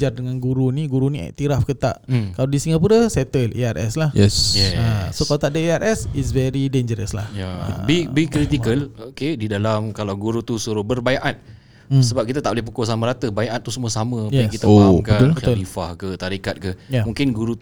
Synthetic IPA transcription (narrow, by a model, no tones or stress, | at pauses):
d͡ʒardəŋãnɡuɾuniɡuɾuniɛ̰ʔt̪iɾafkət̪a̰ʔkaladisiŋɡapuɾəsɛt̪əlḛarʔɛ̰slahjɛsjɛəsokalat̪aʔdəeaɾʔɛsisvɛɾidend͡ʒəɾəsla̰hja̰bibikɾit̪ikəlokedidalamkalawɡuɾut̪usuɾʊhbərbajaʔat̪̚ | səbap̚kit̪at̪aʔbolɪhpukosamãɾat̪əbajaʔat̪ːusəmuasamə̃jɛskit̪aokbəaʊlbət̪ʊlɾifahkət̪aɾikat̪̚kəjamũŋkɪnɡuɾu